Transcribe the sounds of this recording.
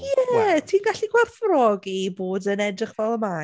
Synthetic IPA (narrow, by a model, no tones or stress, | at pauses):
jɛtʰiːnɡaɬiɡwɛrθrɔɡiboːdənɛdrɪχvɛlˠəma